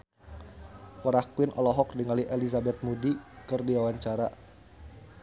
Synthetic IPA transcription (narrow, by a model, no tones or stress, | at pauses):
pɔɾahkuɪnʔɔlɔɦɔk̚diŋaliʔɛlizabɛt̪̚mudikɨrdiwawaɲt͡ʃaɾa